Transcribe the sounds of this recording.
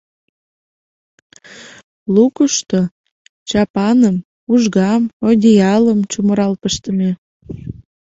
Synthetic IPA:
lukuʃt̪o | t͡ɕɑpɑnəm | uʒɣɑmod̪ʲiɑləmt͡ɕuməɾɑlpəʃt̪əme

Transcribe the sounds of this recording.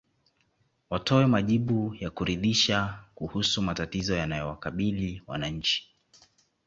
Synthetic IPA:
watɔwɛmaʄiɓujakuɾiðiʃakuhusumatatizɔjanajɔwakaɓiliwa̰naɲ̩t͡ʃi̥

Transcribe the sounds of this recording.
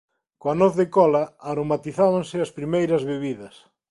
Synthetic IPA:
koɐnoθðɪkɔlɐaɾomat̪iθaβaŋsɪɐspɾimejɾɐzβeβiðɐs

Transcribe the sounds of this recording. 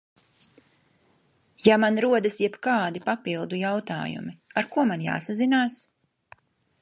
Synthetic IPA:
jamanɾuɔd̪asjɛbkaːd̪ipapilˠd̪ujawt̪a̰ːjṵmiaɾkuɔmanja̰ːsazinaːs

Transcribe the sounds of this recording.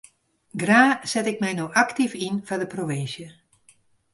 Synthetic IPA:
ɡraːz̥ɛtɪk̚mɛjnowʔaktifinvadəproʋɪnsjə

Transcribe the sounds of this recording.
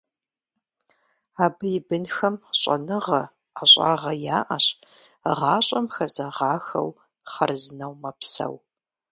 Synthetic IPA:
aːbɨjɪbɨnxɐmɕʼɐ̰nɨʁɐ | aɕʼa̰ːʁɐjaːʔɐɕ | ʁɑːɕʼɐmxɐzɐʁɑːxɐ̰w | χɐrzɨnɐwmɐpsɐ̰w

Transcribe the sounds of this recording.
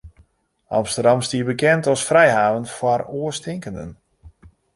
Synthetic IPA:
ʔɑ̰mstərdɑmstiːəbəkɛntɔsfrɛjɦaːʋənfɔroəstɪŋkəndə̰n

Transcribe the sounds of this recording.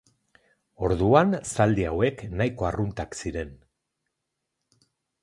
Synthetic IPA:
o̞ɾðuansald̪iawe̞knajko̞arunt̪aksiɾen

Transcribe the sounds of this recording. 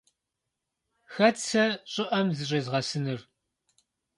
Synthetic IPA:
xɐt͡sʰɐɕʼɪʔɐmzɨɕʼɐzʁɐsɨnɨr

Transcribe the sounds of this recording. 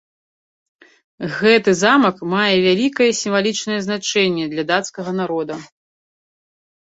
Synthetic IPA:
ɣɛt̪ɨzamɐkmajɛvʲalʲikɐjɛsʲimvalʲit͡ʂnɐjɛznat͡ʂɛnʲːɛd̪lʲɐd̪at̪skɐɣɐnaɾɔd̪ɐ

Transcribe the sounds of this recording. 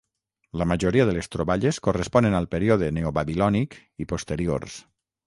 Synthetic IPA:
ləmaʒoɾiaðəlest̪ɾoβaʎeskorəspɔnenalˠpeɾioðeneoβaβilɔnik | ipost̪eɾio̰rs

